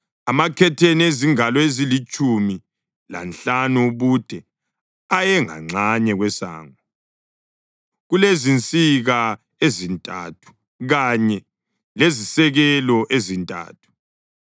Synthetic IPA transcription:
amakʰɛtʰenieziŋalɔezilit͡ʃʼumi | la̰nɬanuβud̥ʱɛ | ajɛŋa̰ŋ͡ǀaɲɛɣwɛsa̰ːŋɔ | ɣulezint͡sʼiɣa | ezintʼa̰tʰu̥ | ɣaɲɛ | lezisɛɣɛlɔʔezintʼa̰ːtʰu̥

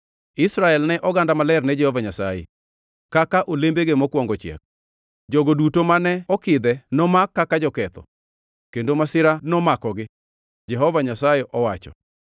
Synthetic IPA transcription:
ɪsɾaɛlnɛʔɔɡandamalɛrnɛd͡ʒɛhɔvaɲasa̰jḛ | kakaʔolembeɡemɔkwɔŋɡɔt͡ʃjɛ̰k̚ | d͡ʒɔɡodutomanɛɔkɪd̪ɛnɔmakːakad͡ʒɔkɛt̪ɔ̰ | kendomasɪɾanɔmakɔɡɪ | d͡ʒɛɦɔvaɲasajeʔɔwat͡ʃɔ̰

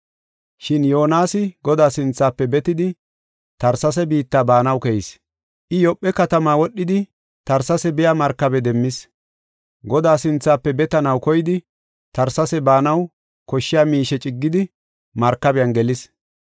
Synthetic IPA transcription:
ʃɪnjoːnaːsɪɡɔd̪aːsɪnt͡sːaːpːɛbɛt̪ɪd̪ɪ | t̪ɐɾsɐs̬ɛbiːt̪ːaːbaːnɐwkɛjɪs | ʔɪjɔpʼːɛkɐt̪ɐmaːwɔɗːɪd̪ɪ | t̪ɐɾsɐsɛbɪjaːmɐɾkːɐbɛd̪ɛmːɪs | ɡɔd̪aːsɪnt͡sːaːpːɛbɛt̪ɐnɐwkɔjɪd̪ɪ | t̪ɐɾsɐsɛbaːnɐw | kɔʃːɪjaːmiːʃɛt͡ʃʼɪɡːɪd̪ɪ | mɐɾkːɐbɪjɐnɡɛlɪs

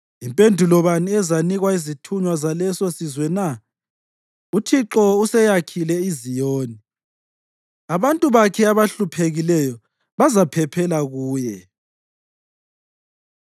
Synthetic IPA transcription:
impʼendʱulɔβaniɛzaniɣwaizitʰuɲwazalɛsosizwɛna | utʰiǁɔusɛjakʰilɛizijoːni | aβantʼuβakʰɛaβaɬupʰeɣilɛjɔ | βazapʰɛpʰɛlaɣuːjɛ

